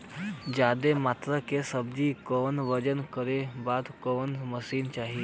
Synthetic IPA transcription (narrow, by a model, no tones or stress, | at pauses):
d͡ʒjaːd̪emaːt̪ɾakesəbd͡ʒikɔːnʋəd͡ʒənkəɾebaːd̪kɔːnməsiːnt͡ʃaːɦie